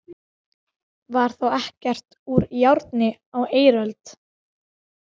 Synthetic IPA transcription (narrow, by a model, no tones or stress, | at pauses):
vaɾ̥θawɛhcɛr̥t̪uɾjawɾt̪nɪaweːjɾœlt̪